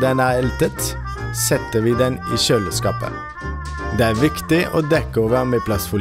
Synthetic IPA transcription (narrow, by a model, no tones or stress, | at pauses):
d̪ɛnæːɛlt̪ət̪ | sɛt̪əʋiːd̪ɛniːʃøːləskɑ̰ːpə̰ | d̪eːæːʋɪkt̪ɪʔo̰ːd̪ɛkəoːʋəʁmeːpʰlɑsfʊ